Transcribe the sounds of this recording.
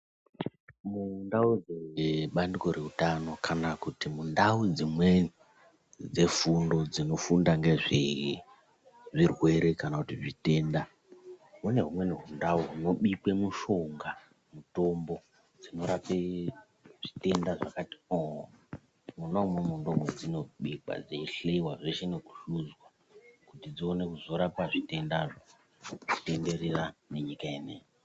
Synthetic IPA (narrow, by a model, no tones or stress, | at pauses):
mundaud͡zeɓandiko̞ɾe̞utano̞kanakutimundaud͡zimwe̞ni | d͡ze̞fundo̞d͡zino̞fundaŋɡe̞ʐe | ʐirwe̞ɾe̞kanakutiʐite̞ːnda | ɦune̞ɦumwe̞niɦundauɦuno̞ɓikwe̞muʃoŋɡa | muto̞mbo̞ | d͡zino̞ɾape | ʐ̥ite̞ndaʐakati̥oɦ | munaumemundo̞ŋɡwed͡zino̞ɓika̰d͡zeiɬeiwaʐeʃeneku̥ʃud͡zwa | kutid͡zione̞kuzo̞ɾapaʐite̞ndaʐo | ʐite̞nde̞ɾerane̞ɲikaenejo